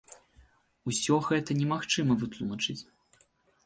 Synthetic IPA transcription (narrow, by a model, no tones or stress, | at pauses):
usʲɔɣɛt̪ɐnʲɛmaxt͡ʂɨmɐvɨt̪lˠumɐt͡ʂɨt͡sʲ